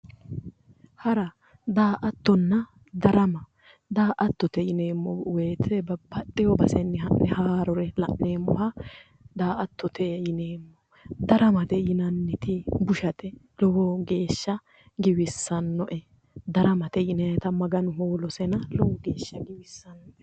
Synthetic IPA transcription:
hɐɾɐ | d̪aːʔɐt̪ːɔnːɐ | d̪ɐɾɐmɐ | d̪aːʔɐt̪ːɔt̪ɛjɪneːmːɔ̰weːt̪ʰɛbɐbɐt̪ʼːɪjɔbɐsɛnːɛnɛhaːɾɔɾɛlɐ̰ʔneːmːɔhɐ | d̪aːʔɐt̪ːɔt̪ʰɛjɪneːmːɔ | d̪ɐɾɐmɐd̪ɛjɪnɐnːɪt̪ɪbʊʃɐt̪ɛ | lɔwɔɡe̞ːʃːɐ | ɡɪwɪsːɐnːɔʔɛ | d̪ɐɾɐmɐt̪ɛjɪnɛjt̪ɐmɐɡɐnʊɦoːlɔsɛnɐlɔwɔɡeːʃːɐɡɪwɪsːɐnɛ

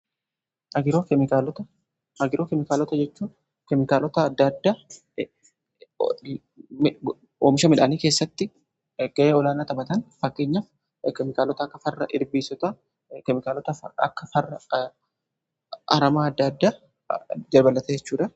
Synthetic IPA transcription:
ɐɡɪɾoːkɛmɪkaːlɔt̪ɐ | ɐɡɪɾoːkɛmɪkaːlɔt̪ɐd͡ʒɛt͡ʃːuː | kɛmɪkaːlɔt̪ɐːd̪ːɐd̪ːa | oːmɪʃɐmɪᶑaːniːkeːsːɐt̪ːɪ | kːeːɔlaːnaːt̪ɐbɐt̪ɐnfɐkːeːɲːɐ | kɛmɪkaːlɔt̪ɐːkːɐfɐrːɐ̰ʔɪɾbiːsɔt̪ɐ | kɛmɪkaːlɔt̪ɐɐ̰kːɐfɐrːɐ | ɐ̰ɾɐmaːɐd̪ːɐd̪ːaː | d̪ɐbɐlːɐt̪ɛd͡ʒɛt͡ʃːuːᶑɐ

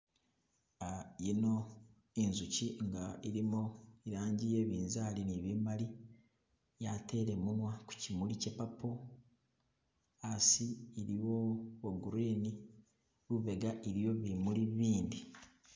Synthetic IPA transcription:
aino̞ | enzuciŋɡaiɾimoiɾaːɲɟije̞βiːnzaːliniβimali | jate̞ɾe̞munwaku̥cimulicepapʰo | asieɾiwo̞oɡuɾiːni | βuβe̞ɡaʔiɾijo̞βimuliβiːndi

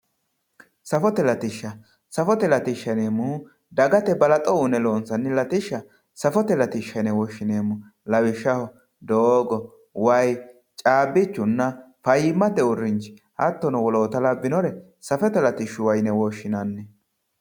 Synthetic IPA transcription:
sɐfɔt̪ɛlɐt̪ɪʃːɐ | sɐfɔt̪ɛlɐt̪ɪʃːɐneːmːʊh | d̪ɐɡɐt̪ɛbɐlɐt̪ʼɔunɛlo̞ːnsɐnːɪlɐt̪ɪʃːɐ | sɐfɔt̪ɛlɐt̪ɪʃːɐnɛwɔʃːɪneːmːʊ | lɐwɪʃːɐhɔ | d̪oːɡɔ | wɐj | t͡ʃʼaːbːɪt͡ʃːʊnːɐfɐjɪmːɐt̪ɛʊɾɪnt͡ʃɪ̥hɐt̪ːɔnɔwɔloːt̪ɐlɐbːɪnɔɾɛ | sɐfɛt̪ɛlɐt̪ɪʃːʊwɐjnɛwɔʃːɪnɐnːɛ

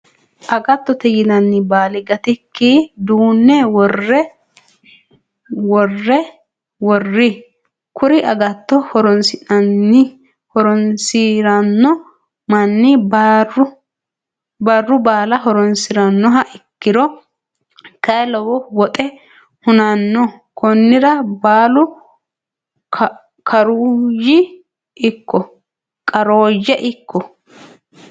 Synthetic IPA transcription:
ʔɐɡɐt̪ːɔt̪ɛjɪlɐnːɪbaːlɪɡɐt̪ɪkːid̪uːnːɛwɔrːɛ | wɔrːɛ | wɔrːɪ | kʊɾɪʔɐɡɐt̪ːɔhɔɾɔnsɪ | hɔɾɔnsɪɾɐnːɔ | mɐnːɪbrʊ | bɐrːʊbaːlɐɦɔɾɔnsɪɾɐnːɔɦɐʔɪkːɪdɔ | kɐjlɔwɔwɔt̪ʼɛ | hʊnɐnːɔkɔnːɪɾɐbaːlʊ | kʰɐɾuːʒɪ | ʔɪkːɔ | kʼɐɾoːʒːɛʔɪkːɔ

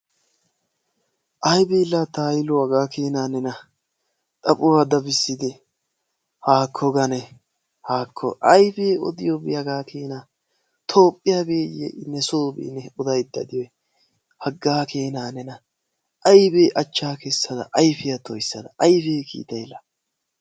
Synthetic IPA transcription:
ʔɐjbeːlːat̪aːjɪlɔɐɡaːkeːnaːnɛnɐ | t̪ʼɐpʼʊwaːd̪ɐbɪsːɪd̪ɛ | haːkʰːɔɡɐnɛ | haːkʰːɔ̰ʔɐjfeːɔ̰d̪ɪjɔbɪjɐɡaːkeːna | t̪ʰo̞ːpʼːɪjabeːjɛ̰nːɛsoːbḭnɛʊd̪ɐjd̪ːɐ̰d̪ɪjɔɛ | hɐɡːaːkeːnaːnɛnɐ | ʔɐjbeːʔɐt͡ʃːaːkɛsːɐd̪ɐ̰ʔɐjfɪjɐt̪ɔjsːɐd̪ɐʔɐjfeːkḭːt̪ɐjɪlːɐ

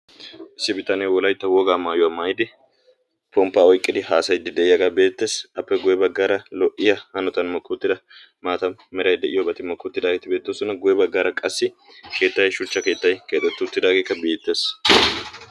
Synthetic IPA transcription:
ʔɪsːɪbɪt̪ːɐnɛwɔlɐjt̪ːɐwɔɡaːmaːjʊwaːmaːjɪd̪ɪ | pɔmpːaːɔjkʼːɪd̪ɪhaːsɐjd̪ːɪd̪ɛʔɪjɐɡabe̞ːt̪ːeːsɐpːɛɡʊjɛbɐɡːaːɾɐlɔʔɪjɐhɐnɔt̪ɐnmɔkːʊt̪ːɪd̪ɐ | maːt̪ɐnmɛɾɐjd̪ɛʔɪjɔbɐt̪ɪmɔkːʊt̪ːɪd̪aːɡeːt̪ɪbe̞ːt̪ːoːsɔnɐɡʊjɛbɐɡːaːɾɐkʼɐsːɪ | kʰe̞ːt̪ːɐjʃʊt͡ʃːɐke̞ːt̪ːɐjke̞ːt̪ːɛt̪ːʊʊt̪ːɪd̪aːɡekːɐbeːt̪ːe̞ːs

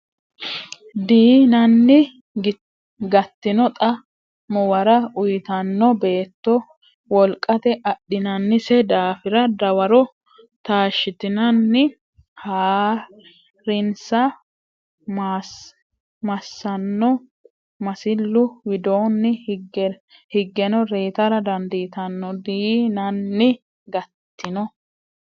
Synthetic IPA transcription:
d̪iːnɐnːɪ | ɡɐt̪ːɪnɔt̪ʼɐ | mɔwɐɾɐʊjɪt̪ɐnːɔbe̞ːt̪ːɔ | wɔlkʼːɐt̪ɛʔɐɗɪnɐnːɪsɛd̪aːfɪɾɐd̪ɐwɐɾɔ | t̪aːʃːɪt̪ɪnɐnːɪ | haː | ɾɪnsɐ | ma | mɐsːɐnːɔ | mɐsɪlːʊwɪd̪oːnːɪɡ | hɪɡːɛnɔɾeːt̪ɐɾɐd̪ɐnd̪iːt̪ɐnːɔd̪iːnɐnːɪ | ɡɐt̪ːɪnɔ

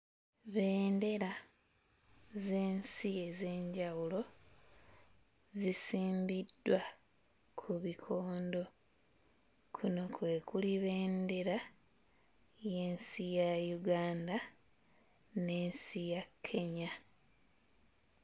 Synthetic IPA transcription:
βe̞ːnde̞ɾa | ze̞ːnsie̞ze̞ːɲɟawulo̞ | zisiːmbidːwa | kʰuβikʰo̞ːndo̞ | kʰuno̞kʰwe̞ːkuliβe̞ːnde̞ɾa | je̞ːnsijajuɡaːnda | ne̞ːnsijakʰːe̞ɲa

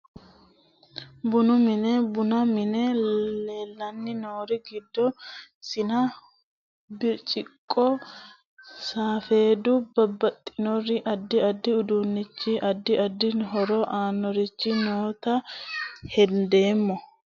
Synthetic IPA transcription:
bʊnʊmɪnɛbʊnɐmɪnɛleːlːɐnːɪnoːɾɪɡɪd̪ːɔsɪnɐ | bɪɾt͡ʃʼɪkʼːɔ | saːfe̞ːd̪ubɐbːɐt̪ʼːɪnɔrɪʔɐd̪ːɪɐd̪ːɪʊd̪uːnːɪt͡ʃːɪʔɐd̪ːɪʔɐd̪ːɪnɦɔɾoʔaːnːɔɾɪt͡ʃːɪnoːt̪ɐ | hɛnd̪e̞ːmːɔ

